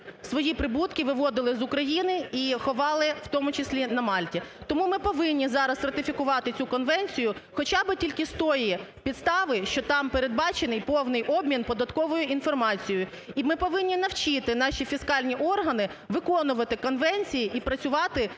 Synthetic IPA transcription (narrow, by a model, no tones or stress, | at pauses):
sʋɔjipɾɪbut̪kʲɪʋɪʋɔd̪ɪlˠɪzʊkɾɐjinɪixɔʋɑlˠɪw̥t̪ɔmʊt͡ʃɪsʲlʲinɐmɑlʲtʲit̪ɔmumɪpɔʋɪnʲːizɑɾɐsrɐt̪ɪfʲikʊʋɑt̪ɪt͡sʲukɔnʋɛnʲt͡sʲijʊxɔt͡ʃɑbɪtʲilʲkɪst̪ɔjipʲid̪st̪ɑʋɪʃt͡ʃɔt̪ɑmpeɾe̞d̪̚bɑt͡ʃenɪjpɔwnɪjʔɔbmʲinpɔd̪ɐt̪kɔʋɔjʊʔin̪fɔrmɑt͡sʲijʊjʊ | imɪpɔʋɪnʲːin̪ɐwt͡ʃɪt̪ɪn̪ɑʃʲifʲiskɑlʲnʲiʔɔrɦɐnɪʋɪkɔnʊʋɐt̪ɪkɔnʋɛnʲt͡sʲijiʔipɾɐt͡sʲʊʋɑt̪ɪ